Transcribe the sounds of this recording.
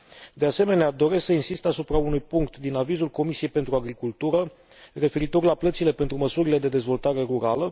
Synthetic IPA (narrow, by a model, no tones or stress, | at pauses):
d̪e̞ase̞me̞nead̪o̞ɾe̞sksəinsist̪asupɾaunujpuŋkt̪d̪inavizulko̞misie̞jpe̞nt̪ɾuaɡɾikult̪uɾə | re̞fe̞ɾit̪o̞rʲlaplət̪sile̞pe̞nt̪ɾuməsuɾile̞d̪e̞d̪e̞zvo̞lt̪aɾe̞ɾuɾalə